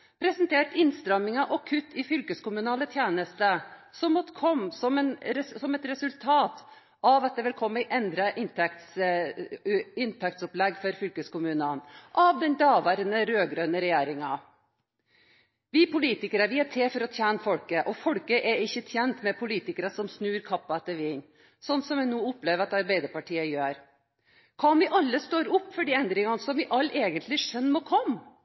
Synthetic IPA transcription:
pʰɾɛsənt̪ʰeːʈɪnst̪ɾɛmːɪŋɑʔɔkʰʉt̪ʰːɪfʏlkəskʊmʉnɑːlət̪ʰjeːnəst̪əsɔmːɔt̪ːkʰɔmːsɔmɛnsɔmɛt̪ɾɛsʉlt̪ʰɑːt̪ | ɑʋɑt̪̚d̪ɛʋɪlkʰɔmːəʔɛnd̪ɾɑʔɪnt̪ʰɛkt̪s | ɪnt̪ʰɛk̚t̪sɔplɛɡːfɔɾfʏlkəskʊmʉːnənʔɑʋd̪ɛnd̪ɑːʋæːɾənəɾøːɡɾøːnəɾɛjeːɾɪŋɑ | ʋɪpʊliːt̪ɪkəɾəʋɪæʈʰeːfɔɾɔt̪ʰjæːnəfɔlkəʔɔfɔɽkəʔɛɾɪçːət̪ʰjɛnt̪mɛpʰʊliːt̪ɪkəɾəsɔmsnʉːɾkʰɑpːɑɛt̪ːəɾʋɪn | sɔnːsɔmjæɪnuːʊplɛʋəɑt̪ɑɾbæɪd̪əɾpɑʈʰiːəjøːɾ | kʰɑnʋɪʔɑlːəst̪oːɾʊpːfɔɖiːɛnd̪ɾɪŋɑnəsɔmʋɪʔɑlːɛːɡənt̪lɪʂœnːmɔːkʰɔmː

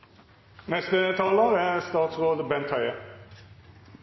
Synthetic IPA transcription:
nɛst̪ət̪ʰɑːlɑʁæst̪ɑːt̪sʁoːd̪bɛnt̪ʰhɑʏə

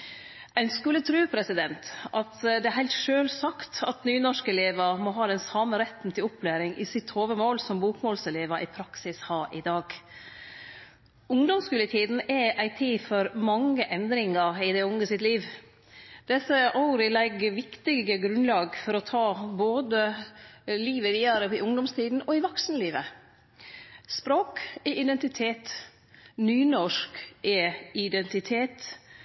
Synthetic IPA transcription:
æɪnskʉlːət̪ʰɾʉːpʰɾɛsɪd̪ɛnt̪ɑt̪d̪ɛæɾhæɪlt̪ʂøːlsɑkt̪ɑt̪nyːnɔʂkəɛleːʋɑmɔɦɑːd̪ɛnsɑːməɾɛt̪n̩t̪ʰɪlɔpʰːlæːɾɪŋʔɪ̰sɪt̪ʰːoːʋəmoːlsɔmbuːkmoːlsɛleːʋɑʔɪpʰɾɑksɪshɑːɾʔɪd̪ɑːɡ | ʊŋd̪ɔmskʉlɪt̪ʰiːd̪n̩ɛʔæɪt̪ʰiːfɔɾmɑŋəʔɛnd̪ɾɪŋəɪd̪ɛʊŋəsɪt̪liːʋ | d̪̥ɛsəʔɑʊɾəlɛɡʋɪkt̪ɪɡəɡɾʉnlɑːɡfɔɾɔt̪ʰɑːboːd̪ə | liːʋəʋiːɑɾəpɪʔʊŋd̪ɔmst̪ʰiːd̪n̩ɔɪʋɔksnəliːʋə | spɾoːkɛʔɪd̪ɛnt̪ɪt̪ʰeːt̪ | nyːnɔʂkɛɪd̪ɛnt̪ɪt̪ʰeːt̪

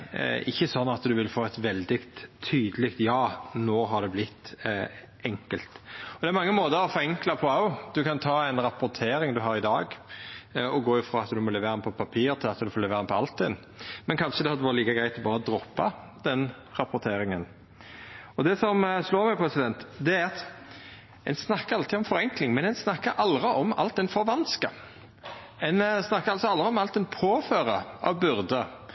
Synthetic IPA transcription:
ɪçːəsɔnːɑt̪d̪ʉʋɪlfoːɛt̪ʋɛld̪ɪɡt̪ʰːyːd̪əlɪkt̪jɑːnoːɦɑd̪ɛblɪt̪ː | ʔɛŋkəlt̪ɔd̪ɛæɾmɑŋːəmoːd̪əɾɔfɔɛŋklɑpʰɔɑʊd̪ʉkɑnt̪ʰɑːæɪnɾɑpʊɾt̪ʰeːɾɪŋd̪ʉɦɑɾɪd̪ɑːɡ | ɔɡoːjʊfɾɔɑt̪d̪ʉmɔlɛʋeːɾnpʰɔpʰɑpʰiːɾt̪ʰɪlɑt̪d̪ʉfoːɾlɛʋeːɾɪnpʰɔɑlt̪ʰːɪn | mɛnkʰɑnʃəd̪ɛhɑd̪əʋɑɾət̪liːkəɡɾæɪt̪lbɑːɾɔd̪ɾɔpːɑ | d̪̥ɛn | ʁɑpɔɾt̪ʰeːɾɪŋən | ɔd̪ɛsɔmsloːɾmɛpʰɾɛsɪd̪ɛnt̪d̪ɛæɾɑt̪ | ɛ̰nsnɑkːəɾɑlt̪ʰiːɔmfɔɾɛŋklɪŋmɛnɛnsnɑkːəɾʔɑld̪ʁɪʔɔmɑ̰lt̪ɛnfɔɾʋɑnskə | ɛnsnɑkːəɾɑlsɔɑld̪ɾɪɔmɑlt̪ɛnpʰoːføːɾəɑ̰ʋbʉɾd̪ə

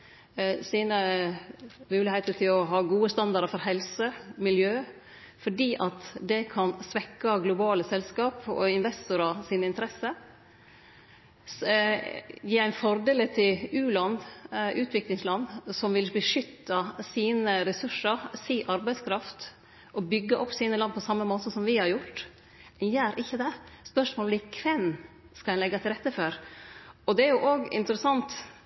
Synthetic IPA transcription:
siːnə | mʉːlɪheːt̪ət̪ʰɪlɔɦɑːɡuːəst̪ɑnd̪ɑɾəfɔɾɦɛlsəmɪljøː | fɔɖiːʔɑt̪d̪ɛkʰɑnsʋɛkːɑɡlʊbɑːləsɛlskɑːpɔ̰ɪnʋɛst̪ʊɾɑsiːnəɪnt̪əɾɛsə | jiːæɪnfɔɾd̪eːlət̪ʰɪlʉːlɑnʔʉːt̪ʰʋɪklɪŋslɑnːsɔmʋɪlbəʂʏt̪ːɑsiːnəɾɛsʉʂəɾsiːʔɑɾbæɪskʰɾɑft̪ | ɔbʏɡːəʔɔpːsiːnəlɑnːpʰɔsɑmːəmoːt̪əsɔmʋɪhɑɾjʊʈː | ɛnjæːɾʔɪçːəd̪ɛspœʂmoːblɪːkʰʋɛn | skɑlɛnlɛɡːɑt̪ʰɪlɾɛt̪ːəføɾ | ɔd̪ɛæɾjʊʔoːɡɪ̰nt̪əɾəsɑnt̪

